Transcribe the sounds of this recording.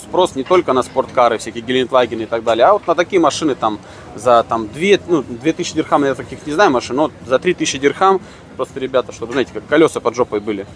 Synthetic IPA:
spɾo̞snʲɪt̪o̞lʲkənɐspo̞rt̪kaɾɨfsʲækʲijəɡʲɪlʲɪɪnt̪lˠaɡʲɪnɨɪt̪ɐɡ̚d̪alʲjəɐvo̞t̪nət̪ɐkʲijəmɐʂɨnɨt̪am | zɐt̪amd̪vʲenud̪vʲe̞t̪ɨɕːɪd̪ʲɪrxamɪj̪ət̪ɐkʲixnʲɪznajʊmɐʂɨnːot̪zɐt̪ɾʲit̪ɨsʲɕːɪdʲɪrxam | pɾo̞st̪əɾʲɪbʲat̪əʂt̪obɨznaɪtʲɪkakːɐlʲosɨpɐdʐopəjbɨlʲɪ

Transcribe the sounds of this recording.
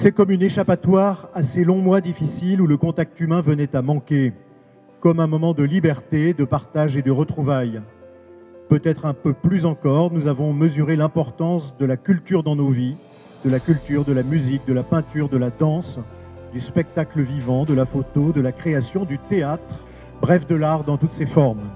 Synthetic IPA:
sɛkɔmyneʃapat̪waʁaselɔ̃mwad̪ifisiluləkɔ̃t̪ak̚t̪ymɛ̃vənɛt̪amɑ̃kʲe | kɔmɛ̃mɔmɑ̃d̪əlibɛʁt̪ed̪əpaʁt̪aʒed̪əʁət̪χuvaj | pøt̪ɛt̪χɛ̃pøplyzɑ̃kɔʁnuzavɔ̃məzyʁelɛ̃pɔʁt̪ɑ̃sd̪əlakʲylt̪yʁd̪ɑ̃novi | d̪̥əlakʲylt̪yʁd̪əlamyzik̚d̪əlapɛ̃t̪yʁd̪əlad̪ɑ̃s | d̪yspɛk̚t̪akləvivɑ̃d̪əlafot̪od̪əlakχeasjɔ̃d̪yt̪eat̪χ | bʁɛfd̪əlaʁd̪ɑ̃t̪ut̪sefɔʁm

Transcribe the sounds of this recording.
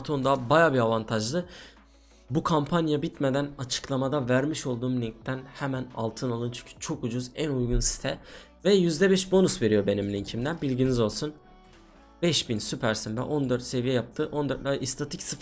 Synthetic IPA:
t̪ʰond̪abajaːbiavant̪ʰaʒd̪ɯ | bukʰampʰanjabit̪me̞d̪ænat͡ʃʰɯ̥klˠamad̪avæɾmiʃo̞lˠd̪uːmlʲiŋ̚t̪ʰːænhɛmæna̰lˠt̪ʰɯnalˠɯnt͡ʃʰyɲcʰy̥t͡ʃʰo̞kud͡ʒuzænujɡunsi̥st̪ʰɛ | vɛjyzd̪ɛbɛʃbo̞nusve̞ɾijo̞be̞niminʲincʰimd̪ænbilʲɟinizo̞lˠsun | bɛʃbinsypʰæɾsinvɛ̰ʔo̞nd̪ø̞ɾt̪se̞vijɛjap̚t̪ʰɯʔo̞nd̪øɾt̪lʲaʔist̪ʰat̪ʰicsɯf

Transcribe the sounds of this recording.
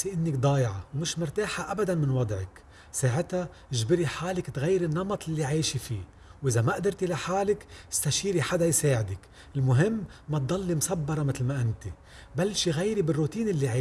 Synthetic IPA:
siʔɪnːɪkd̪ˤɑːjʕɑwmɪʃmʊɾt̪aːħaʔabad̪anmɪnwɑd̪ˤʕɪk | saːʕɪt̪a | ɪʒbɪɾiħaːlɪkt̪ɣajːɾɪnːɑmɑt̪ˤɪlːiʕiːʃifiː | wʔɪzamaʔd̪ɪɾt̪ilaħaːlɪkɪ̥st̪aʃiːɾiħad̪ajsaːʕɪd̪ɪk | ɪlmʊɦɪmːat̪̚d̪ˤɑlːimsɑbːɑɾˤɑmɪt̪lmaʔɪnt̪i | balːʃiɣajɾibɪrːut̪iːnɪlːiʕiː

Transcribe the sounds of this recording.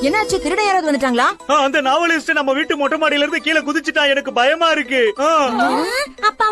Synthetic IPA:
ɛnːɐɐːɾt͡ʃːɯk̪ɪɾɯɽɐjaːɾaːðɯʋɐnd̪ɯʈːaːŋɡɐɭaːaɐnd̪ɐnaːʋɐlɪsʈɯnɐmːɐʋiːʈːɯmɔʈːɐmaːɽɪjɪlɪɾɯnd̪ɯkiːlɐkʊðɪt͡ʃːɯʈːãːɛnɐkːɯbɐjɐmaːɪɾɯkːɯaː | ɐpːaː

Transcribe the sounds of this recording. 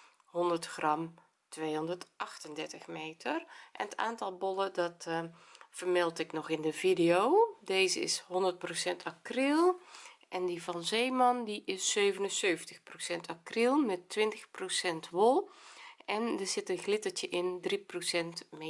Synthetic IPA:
hɔndərtxrɑm | tʋeːɔndərtʔɑxtəndɛɹtəxmeːtʰərʔɛ̰nəta̰ːntɑlˠbɔlədɑt | fərmɪlˠtɪknɔxɪndəvideoːdeːzəɪ̰shɔndərt̚prosɛntʰakrilˠʔɛndivɔnzeːmɑndiʔɪsːøːvənənsøːvntəxprosɛntʰakrilˠmɛtːʋɪntəxprosɛntʋolˠʔɛndəz̥ɪtənɣlɪtərtəʔɪndriprosɛntme

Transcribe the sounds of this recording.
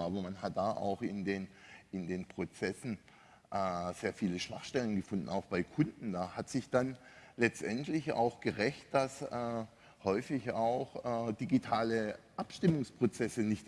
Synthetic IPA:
aːbɐmanɦat̚d̥aːʔa̰ʊxɪndeːnɪndeːnpʁ̥ot͡sɛsn̩ | ʔɛz̥eːɐfiːləʃv̥a̰χʃtɛlənɡəfʊndn̩aʊxb̥aɪkʰʊndn̩daːhatz̥ɪçd̥anlɛt͡stʔɛntʰlɪça̰ʊxɡ̥əʁɛçt̚d̥asɛ | hɔʏfɪçaʊxɛːd̥iɡitʰaːləʔapʃtɪmʊŋspʁ̥ot͡sɛsənɪçt

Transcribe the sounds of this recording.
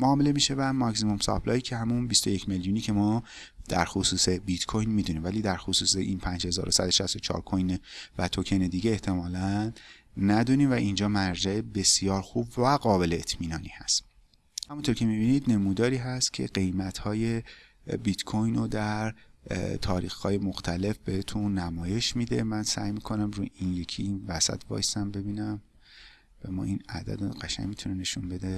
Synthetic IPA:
moɒːmelemiːʃe̞væmɒksimomsɒ̰pʰlɒːjicʰehæmunbist̪o̞je̞cʰme̞ljuːniːcʰe̞mɒː | d̪̥æ̰ɾxosuːse̞bit̪kʰojnmiːd̪uniːmvæliːd̪æɾxosuːseʔiːnpʰænd͡ʒhe̞zɒ̰ːɾosæd̪oʃæst̪ot͡ʃʰɒ̰ːɾkʰojnvæt̪ʰocʰened̪iːɟeːht̪ʰe̞mɒːlænː | æd̪uːniːmvæʔind͡ʒɒːmæɾd͡ʒæebe̞sjɒːɾxubvæɡɒːbe̞leet̪ʰmiːnɒːniːhæst̪ | hæmunt̪ʰoɾcʰe̞mibiːnid̪ne̞muːd̪ɒːɾiːɦæst̪cʲʰe̞̰ɢe̞jmæt̪hɒːje̞ | bit̪kʰojnod̪æɾt̪ʰɒːɾiːxhɒːje̞mo̞xt̪ʰæle̞fb̥e̞het̪ʰunːæmɒːje̞ʃmiːd̪e̞mænsæjmiːkʰo̞næmɾuːinje̞cʰiinvæsæ̰t̪ʰbɒ̰ːjsæmbe̞biːnæm | b̥emɒ̰ːinæ̰d̪æ̰d̪ɢæʃæ̰ŋmit̪ʰune̞ne̞ʃunbe̞d̪e̞

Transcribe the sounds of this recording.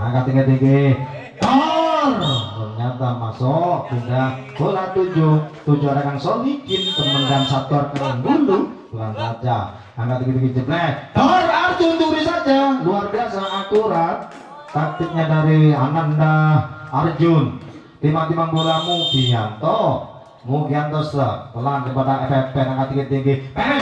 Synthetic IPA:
aŋkat̪iket̪ike | barpərɲat̪amasɔʔt̪udaboɾat̪ud͡ʒʊt̪ud͡ʒuaɾakaŋsɔŋikɪnk̪əmənkansat̪uarkaaŋbulubukansad͡ʒa | aŋkat̪ikət̪iked͡ʒəblɛhbarard͡ʒʊnt̪uɾisad͡ʒaluarbiasaŋat̪uɾan | t̪ak̚t̪ik̚ɲadaɾianandaard͡ʒʊn | t̪imat̪imaŋbolamub̥ijant̪ɔ | mukiant̪ɔstət̪əlankəpadaɛfɛpɛnaŋkat̪ikət̪iɡipɛ

